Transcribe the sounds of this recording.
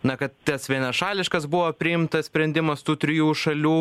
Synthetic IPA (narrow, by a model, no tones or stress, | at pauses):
nɐkɐt̪t̪ʲɐsʋʲiɛnɐʃɑːlʲɪʃkɐsbʊʋoːpʲɾʲɪɪmt̪ɐssʲpʲɾʲɛnʲd̪ʲɪmɐst̪uːt̪ʲɾʲɪjuːʃɐlʲuː